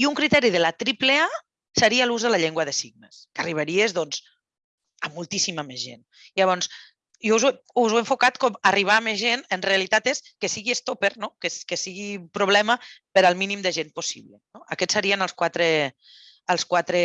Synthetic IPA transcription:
iuŋkɾit̪ɛɾiðəlat̪ɾiplea | səɾiaːluzðəlaʎeŋɡwɐðəsiɣnəskəriβ̞aɾiezðɔnz | əmulˠt̪isimamezʒḛn | ilaβ̞ɔns | jwzwe | uzweɱfukat̪kɔmariβ̞aːmezʒenənrealit̪at̪eskəsiɣiest̪opeɾnokeskesiɣipɾuβ̞lɛməpəɾalˠminimd̪əʒenposiβlənoʔəkɛtsːəɾiənəlˠskwat̪ɾe | əlˠskwat̪ɾe

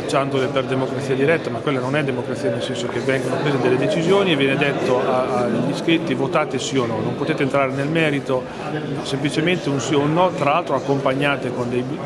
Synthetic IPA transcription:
at͡ʃːand̪oleperd̪emokɾat̪siːad̪iɾɛt̪ːamakːwelːanonɛd̪emokɾat̪sianelsɛnsok̟evɛŋɡanopɾeːzed̪elːed̪et͡ʃizjoːnievjɛːned̪et̪ːoaaʎːiskɾit̪ːivot̪aːt̪esionɔnompot̪eːt̪eːnt̪ɾaːɾenelmɛːɾit̪o | semplit͡ʃement̪eunsionːɔt̪ɾalalt̪ɾoakːompaɲːaːt̪ekond̪ejb

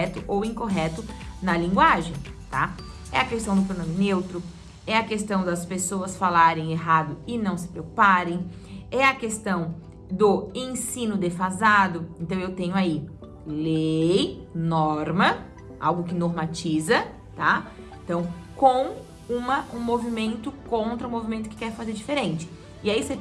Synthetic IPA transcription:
ɛt̪ʊʔowĩkoɦɛt̪ʊnɐlĩŋɡwaʒẽj̃t̪a̰ | ɛ̰ɐkest̪ɐ̃w̃d̪ʊpɾonɐ̃mɪnewt̪ɾʊ | ɛɐkest̪ɐ̃w̃d̪ɐspesoɐsfalaɾẽj̃eɦad̪ʊɪnɐ̃w̃sɪ̥pɾewku̥paɾẽj̃ | ɛɐkest̪ɐ̃w̃ | d̪ʊẽsĩnʊd̪efazad̪ʊẽnt̪ɐ̃w̃ewt̪ẽɲʊai | lejnɔɾmɐ | a̰wɡʊkɪnoɾmat͡ʃizɐ | t̪a | ẽt̪ɐ̃w̃kõw̃ | ũmɐʔũmovimẽnt̪ʊkõnt̪ɾɐũmovimẽnt̪ʊ̥kɪ̥kɛɾfazeɾd͡ʒifeɾẽnt͡ʃɪ̥ | ɪaise

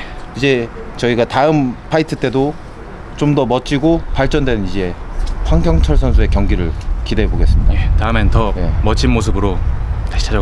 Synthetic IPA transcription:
id͡ʑe̞ | t͡ɕʌiɡataɯmpʰaitʰɯt͈e̞do | t͡ɕomdʌmʌt͡ɕ͈ʰiɡopaɭt͡ɕ͈ʌndwenɯnid͡ʑe̞ɸwaŋɡjʌŋt͡ɕʰʌɭs̬ʰʌnsʰue̞kjʌŋɡiɾɯɭkideeboɡe̞s͈ɯmɲidaetaɯmentʌje̞mʌt͡ɕʰinmos̬ʰɯbɯɾotaɕi̥t͡ɕʰaa

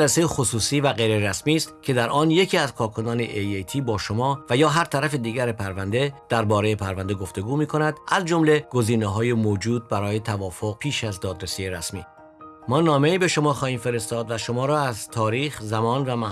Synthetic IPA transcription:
læsejexosuːsiːvæɣejɾeɾæsmiːst̪cʰe̞d̪æɾʔɒːnje̞cʰiːæzkʰɒːɾkʰo̞nɒːneʔejejt̪ʰiːbɒːʃo̞mɒːvæjɒːɦæɾt̪ʰæɾæfed̪iːɡæɾepʰæɾvænd̪e̞d̪̥æɾbɒːɾe̞jepʰæɾvænd̪eɡo̞ft̪e̞ɡuːmiːkʰo̞næd̪̥æzd͡ʒo̞mle̞ɡ̥o̞ziːneɦɒːjemoːd͡ʒuːd̪̚bæɾɒːje̞t̪ʰævɒːfoɣ̚pʰiːʃæzd̪ɒːd̪ɾesiːjeɾæsmiː | mɒːnɒːme̞iːbe̞ʃo̞mɒːxɒːhiːmfe̞ɾe̞st̪ɒːd̪væʃo̞mɒːɾɒːæzt̪ʰɒːɾiːxzæmɒːnvæmæh

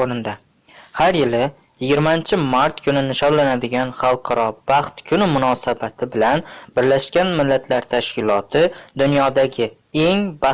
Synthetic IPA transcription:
oɾɪnd̪a | haɾjɪlɪ | jɪɡʲɪɾmant͡ʃʰɪmaɾt̪kʰʊnɪnɪʃɒnlanad̪ɪɡʲanχɑlˠqʰɑɾɒbɑχt̪kʲʰʊnɪmʊnɒsabat̪ʰɪbɪlanbɪɾlaʃkʲanmɪlːat̪ʰlaɾt̪ʰaʃkʲɪlɒt̪ʰɪd̪ʊnjɒd̪aɡʲɪ | e̞ŋba

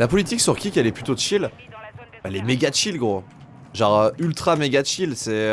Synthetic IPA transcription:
lapɔlit̪iksyʁkʲikɛlɛplyt̪od̪ʃil | ɛlɛmeɡaʃilɡʁo | ʒɑ̃ʁøylt̪χameɡʲad̪ʃilsɛ

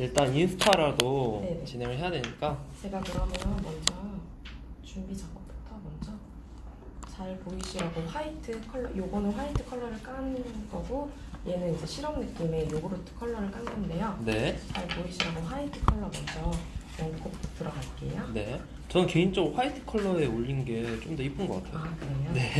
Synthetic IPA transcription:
iɭt͈aninsʰu̥tʰaɾadone̞net͡ɕinɦeŋɯɭɦe̞jadweɲik͈at͡ɕe̞ɡakɯɾʌmjʌʌnmʌnd͡ʑʌ | t͡ɕumbid͡ʑaɡ͈ʌp͈u̥tʰʌmʌnd͡ʑʌ | t͡ɕaɭpoiɕʰiɾaɡoɸaitʰɯkʰʌɭːʌ̰joɡonoɸaitʰɯ̥kʰʌɭːʌɾɯɭk͈anɯɡʌɡo | je̞nɯnid͡ʑe̞ɕʰiɾʌmnɯk͈ime̞joɡoɾotʰɯ̥kʰʌɭːʌɾɯɭk͈anɡannde̞jone̞t͡ɕaɭpoiɕʰiɾaɡoɸwaitʰɯ̥kʰʌɭːʌmʌnd͡ʑʌmʌŋk͈okt͈ɯɾʌɡaɭk͈e̞̰jone̞ | t͡ɕʌnɯnke̞int͡ɕ͈ʌɡɸwaitʰɯ̥kʰʌɭːʌe̞oʎːinɡe̞t͡ɕ͈omdʌip͈ʰɯnɡʌk͈atʰejaokɯɾejone̞

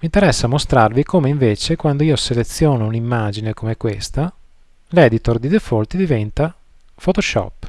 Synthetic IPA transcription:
miːnt̪eɾɛsːamost̪ɾarvikomeiɱveːt͡ʃekwand̪oiːoselet̪sːjoːnounimːaːd͡ʒinekomekwest̪a | lɛd̪it̪ord̪id̪efolt̪id̪ivɛnt̪a | fot̪oʃɔ̰pː

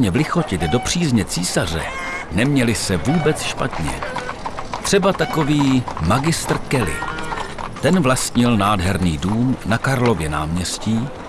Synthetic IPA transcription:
ɲɛvlɪxo̞cɪt̪do̞pr̝̥iːzɲɛt͡siːsar̝ɛ̰ | nɛmɲɛlɪsɛvuːbɛt͡sʃpat̪ɲɛ̰ | t̪r̝̥ɛbat̪ako̞viːmaɡɪst̪r̩kɛlɪ̰ | t̪ɛnvlast̪ɲɪlnaːdɦɛɾniːduːmnakaɾlo̞vjɛna̰ːmɲɛsciː

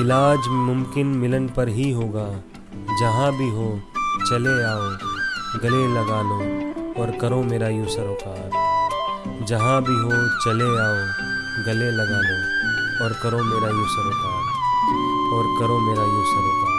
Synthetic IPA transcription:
ɪlaːd͡ʒmʊmkɪnmɪlənpɐɾɦiɦoːɡaː | d͡ʒɐɦãbʱiɦoːt͡ʃɐleaːoɡɐlelɐɡaːloːɔːɾkɐɾõmeːɾajuːsəɾokaːɾ | d͡ʒɐɦãbʱiɦot͡ʃɐleaːo | ɡɐlelɐɡaːlõɔːɾkɐɾõmeːɾajusəɾokaːɾ | ɔːɾkɐɾõmeːɾajuːsəɾoka

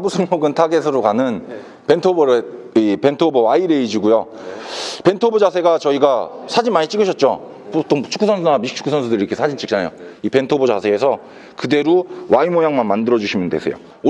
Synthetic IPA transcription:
busʰɯŋjoɡɯntʰaɡesʰɯɾokanɯn | pe̞ntʰobɾ | ipe̞ntʰobʌwaiɾe̞id͡ʑiɡujo | pe̞ntʰobod͡ʑasʰe̞ɡat͡ɕʌiɡasʰad͡ʑimaɲit͡ɕ͈iɡɯɕʰʌt̚t͡ɕ͈o̰ | pot͈ot͡ɕʰu̥k͈ʰːusʰʌnsʰunamiik̚t͡ɕʰu̥k͈ʰːusʰʌnsʰudɯɾiɾʌkʰesʰad͡ʑint͡ɕ͈ik̚t͡ɕ͈ana̰jo̰ipe̞ntʰobod͡ʑa̰sʰeːsʰʌ | kɯde̞ɾowaimojaŋmanmandɯɾʌd͡ʑuɕʰimjɯndesʰḛjo̰

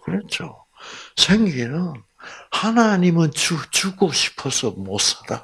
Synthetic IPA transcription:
kɯɾet͡ɕʰo | sʰeŋɡenɯn | hanaɲimɯnt͡ɕt͡ɕuɡoɕʰi̥pʰʌsʰʌmosʰada

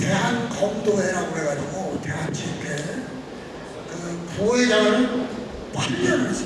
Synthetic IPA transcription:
te̞ɦankʌmdoeɾaɡoɦeɡad͡ʑuɡote̞ɦant͡ɕʰipʰe | kɯpoiɡa | kwaʎːʌns

